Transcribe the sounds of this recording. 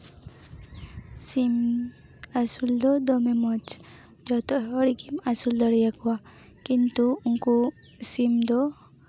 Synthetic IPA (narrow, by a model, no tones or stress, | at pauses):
sim | asuld̪ɔd̪ɔmemɔt͡ʃ | d͡ʒɔt̪ɔɔɽikimasuld̪ɔɽijakuwa | kint̪uuŋku | simd̪ɔ